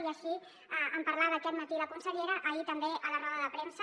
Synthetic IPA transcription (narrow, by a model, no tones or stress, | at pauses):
iəʃi | əəmpəɾlaðəkɛt̪mət̪iləkunsəʎeɾəʔːit̪əmbeʔələrɔðəðəpɾemsə